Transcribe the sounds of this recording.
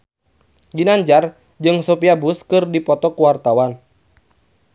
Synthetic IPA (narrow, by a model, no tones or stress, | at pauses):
ɡinaɲd͡ʒar | d͡ʒɨŋsopiabuskɨrdipɔt̪ɔkuwart̪awan